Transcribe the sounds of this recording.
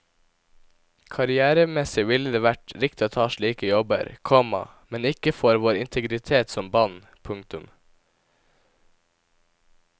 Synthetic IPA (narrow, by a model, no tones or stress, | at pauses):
kʰɑɾɪæːɾəmɛsɪʋɪləd̪eːʋæʈɾɪkt̪ɪoːt̪ʰɑːʃɭiːkəjɔbə̰ɾkʰɔmɑ̰ | mɛnɪkəfɔɾʋoːɾɪnt̪ʰəɡɾɪt̪ʰeːt̪sɔmbɑn | pʰʊŋkt̪ʉm